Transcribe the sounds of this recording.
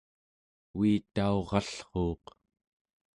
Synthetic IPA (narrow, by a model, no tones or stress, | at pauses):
wiːt̪aoʁɑɬχoːq